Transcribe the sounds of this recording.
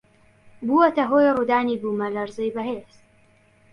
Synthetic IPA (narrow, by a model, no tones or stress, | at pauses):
buːwɐt̪ɐɦoːjruːd̪aːniːbuːmɐlɐɾzɨjbɐɦeːz̥